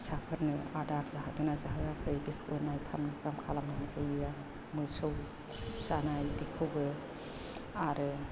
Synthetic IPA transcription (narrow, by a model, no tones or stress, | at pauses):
sapʰɯɾnɯadaɾzaɦad̪ɯnazaɦɯakʰɯjbikʰɯwbɯnajpʰamnɯpʰamkʰalamnɯnɯjɯa | mɯsɯw | zanajbikʰɯwbɯ | aɾɯ